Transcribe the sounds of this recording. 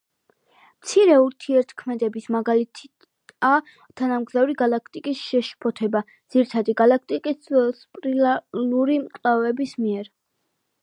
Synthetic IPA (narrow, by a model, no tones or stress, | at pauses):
mt̪sʰiɾɛuɾt̪ʰiɛɾt̪ʰkʰmɛd̪ɛbismaɡalit̪ʰ | a | t̪ʰanamɡzavɾiɡalˠak̚ʰt̪ʼikʼisʃɛʃpʰɔt̪ʰɛba | d̪z̥iɾit̪ʰad̪iɡalˠak̚ʰt̪ʼikʼisspʼɾilaluɾimkʼlavɛbismiɛɾ